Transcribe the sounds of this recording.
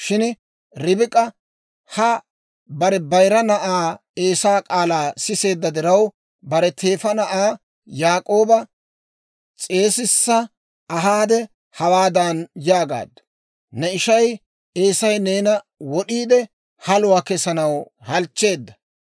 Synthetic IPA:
ʃɪn | ɾɪbɪkʼɐ | hɐ | bɐɾɛbɐjɾɐnɐʔaː | e̞ːsaːkʼaːlaːsɪse̞ːd̪ːɐd̪ɪɾɐw | bɐɾɛt̪ʰe̞ːfɐnɐʔaː | jaːkʼo̞ːbɐ | t͡sʼe̞ːsɪsːɐ | ɐɦaːd̪ɛ | hɐwaːd̪ɐnjaːɡa̰ːd̪ːɐ̥ | nɛɪʃɐj | eːsɐjne̞ːnɐ | wɔɗiːd̪ɛ | hɐlʊwaːkɛsɐnɐwhɐlt͡ʃːe̞ːd̪ːɐ

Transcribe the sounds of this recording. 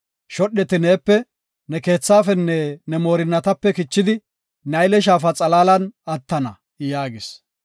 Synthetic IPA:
ʃɔɗːɛt̪ɪneːpːɛ | nɛke̞ːt͡sːaːfɛnːɛnɛmo̞ːɾɪnːɐt̪ɐpːɛkɪt͡ʃːɪd̪ɪ | nɐjlɛʃ̬aːfɐt͡sʼɐlaːlɐnɐt̪ːɐnɐ̰ | jaːɡɪs

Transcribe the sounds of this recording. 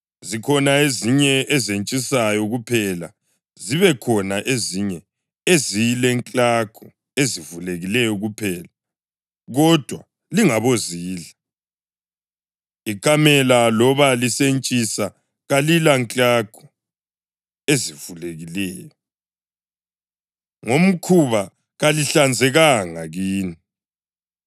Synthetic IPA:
zikʰɔnaeziɲɛʔɛzent͡ʃʼisajɔɣupʰɛla̰ | ziβɛkʰɔnaʔeziɲɛ | ezijilɛŋt͡ɬʼakʰu | ezivuleɣilɛjɔɣupʰɛla | ɣɔd̥ʱwa | liŋaβoziːɮa | ikʰamɛlalɔβalisent͡ʃʼisa | ɣalilaŋt͡ɬʼaɡ̥ʰʱu̥ | ezivuleɣilɛːjɔ | ŋom̩kʰuβa | ɣaliɬand͡zʱɛɣaŋaɣiːni

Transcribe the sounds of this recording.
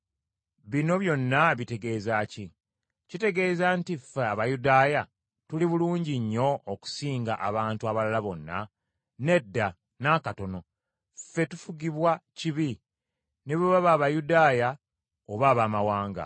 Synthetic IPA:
βino̞βjo̞nːaβite̞ɡe̞ːzaːci | cite̞ɡe̞ːzantifeaβajudaːja | tuliβuluːɲɟiɲːo̞ːku̥siːŋɡaʔaβaːntuaβalalaβo̞nːa̰ | ne̞dːa | nakato̞no̞ | fe̞tu̥fuɡiβwaciβi | neβoβaβaːβajudaːja | oβaːβaːmawaːŋɡa̰

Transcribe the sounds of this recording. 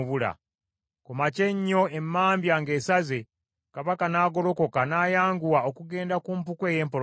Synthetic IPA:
βula̰ | kumace̞ɲːo̞e̞mːaːmbjaŋɡe̞ːsaze | kaβakanaːɡo̞lo̞ko̞kanaːjaːŋɡuwaokuɡe̞ːndakuːmp̬ukwe̞ːje̞ːmpo

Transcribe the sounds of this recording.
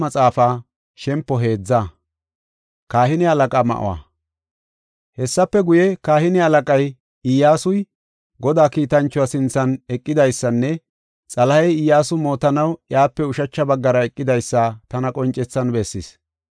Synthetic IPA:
mɐt͡sʼaːfaː | ʃɛmpːɔɦe̞ːd͡zːa | kaːhɪnɪɐlɐkʼaːmɐ̰ʔʊ̰wa̰ | hɛsːɐpːɛɡʊjɛkaːhɪnɪɐlɐkʼɐj | ɪjːaːsʊj | ɡɔd̪aːkiːt̪ɐnt͡ʃːʊwasɪnt͡sːɐnɛkʼːɪd̪ɐjsːɐnːɛ | t͡sʼɐlɐhɐjɪjːaːsʊmo̞ːt̪ɐnɐwjaːpːɛʊʃɐt͡ʃːɐbɐɡːɐɾɐɛkʼːɪd̪ɐjsːɐt̪ɐnɐkʼɔnt͡ʃʼɛt͡sːɐnbɛsːɪs

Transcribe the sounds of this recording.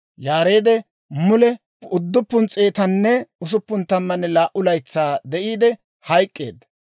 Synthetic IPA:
jaːɾe̞ːd̪ɛ | mʊlɛ | ʊd̪ːʊpːʊnt͡sʼeːt̪ɐnːɛʊs̬ʊpːʊnt̪ɐmːɐnːɛlaːʔʊlɐjt͡sːaːd̪ɛʔiːd̪ɛ | hɐjkʼːe̞̰ːd̪ɐ

